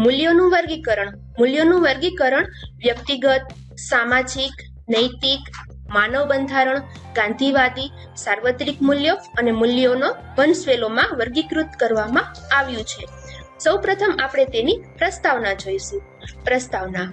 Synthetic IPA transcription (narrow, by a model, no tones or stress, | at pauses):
mʊljonũʋəɾɡikəɾəɳ | mʊljonũʋəɾɡikəɾəɳʋjək̚t̪iɡət̪̚ | samãd͡ʒik | nəjt̪ik | manəʋbənd̪ʱaɾəɳ | ɡãnd̪ʱiʋad̪i | saɾʋət̪ɾikmuljoənemʊljono | ʋənsʋelomãʋəɾɡikɾut̪kəɾʋamãaʋjũt͡ʃʰesəwpɾət̪ʰəmapɽ̃et̪enipɾəst̪aʋnad͡ʒojʃũ | pɾəst̪aʋna